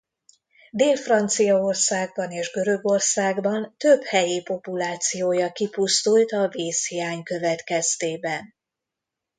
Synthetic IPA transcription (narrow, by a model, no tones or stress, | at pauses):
d̪eːlfrɒnt̪sijɒo̞rsaːɡ̚bɒneːʒɡø̞ɾø̞ɡo̞rsaːɡbɒnt̪øbhɛjeːpo̞pulaːt̪sijoːjɒkipust̪ult̪ɒveːshijaːɲkø̞vɛt̪kɛst̪eːbɛn